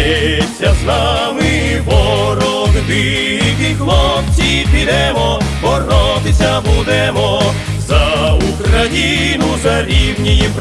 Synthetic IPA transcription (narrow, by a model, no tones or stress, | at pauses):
sʲɐzna | mɪ | pɔɾɔkb̪i | kixlˠɔft͡sʲipʲid̪ɛmɔbɔrɔt̪ɪsʲɐbud̪ɛmɔ | zɐukɾɐjinuzɐɾʲiwnʲijip